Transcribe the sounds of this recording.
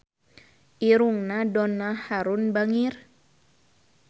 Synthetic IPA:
ʔiɾuŋnadɔnahaɾunbaŋir

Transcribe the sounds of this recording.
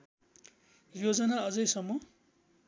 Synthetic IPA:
jod͡zʌnaʌd͡zʌjsʌmːʌ

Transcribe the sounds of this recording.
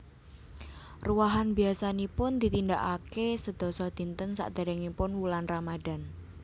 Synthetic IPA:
ruwaɦanbiasanipʊnd̪̥i̤t̪ind̪aʔakesəd̪̥ɔ̤sɔd̪̥i̤nt̪ənsa̰ʔd̪̥a̤ɾɛŋipʊnwulanramad̪̥a̤n

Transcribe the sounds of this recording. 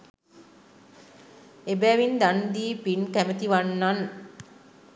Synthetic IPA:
ebæːʋind̪and̪iːpinkæmət̪iʋanːan

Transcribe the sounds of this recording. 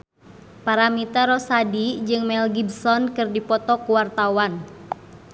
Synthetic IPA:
paɾamit̪aɾɔsadid͡ʒɨŋmɛlɡibsɔnkɨrdipɔt̪ɔkuwart̪awan

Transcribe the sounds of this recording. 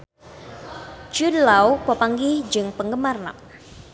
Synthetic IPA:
d͡ʒudlawpəpaŋɡihd͡ʒɨŋpəŋɡəmarna̰k̚

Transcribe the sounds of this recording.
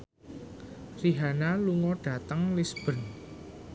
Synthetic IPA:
riɦanaluŋɔɖ̥a̤t̪əŋlisb̥ə̤n

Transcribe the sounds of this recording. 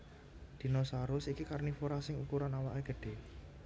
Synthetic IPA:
d̪̥i̤nɔsaɾʊsikikarnifoɾasɪŋukuɾanawaʔeɡ̥ə̤ɖ̥e̤

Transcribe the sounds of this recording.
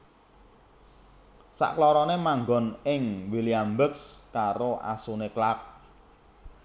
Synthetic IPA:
sa̰ʔklɔɾɔnemaŋɡɔ̤nɪŋwiliambəkskaɾoʔa̰suneklak̚

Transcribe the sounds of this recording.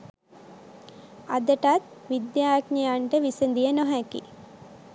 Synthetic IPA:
ad̪əʈat̪̚ | ʋid̪jaːkɲəjaɳʈəʋisənd̪ijənoɦækḭ

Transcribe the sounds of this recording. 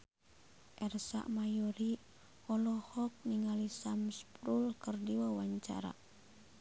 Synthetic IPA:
ʔɛrsa̰ʔmajɔɾi | ɔlɔhɔk̚niŋalisamspɾulkərdiwawaɲt͡ʃa̰ɾa̰

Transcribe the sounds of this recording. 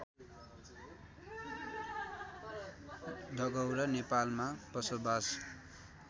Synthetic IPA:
d̪ʱʌɡʌwɾʌnepalmapʌsobas

